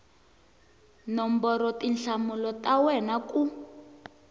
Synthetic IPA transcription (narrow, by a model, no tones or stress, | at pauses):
nɔmbɔɾɔtinɬamulɔtawɛnaku